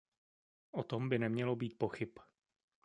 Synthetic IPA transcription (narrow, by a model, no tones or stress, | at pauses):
ʔot̪o̞mbɪnɛmɲɛlobiːt̪̚po̞xɪp